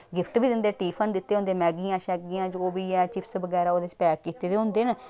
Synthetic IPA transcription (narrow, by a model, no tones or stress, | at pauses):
ɡɪpʰʈbiːd̪ɪnd̪eːʈiːpʰənd̪ɪt̪ːeːʊ̃nd̪eːmɛːɡiːãːʃɛːɡiːãːd͡ʒoːbiːɛːt͡ʃɪpʰsʋəɡɛːɾaːoːd̪et͡ʃpɛːkkiːt̪eːd̪eːɦʊ̃nd̪eːn